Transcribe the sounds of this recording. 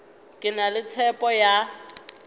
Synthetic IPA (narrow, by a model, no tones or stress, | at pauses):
kʼɪnalɪt͡sʰɛpʼɔja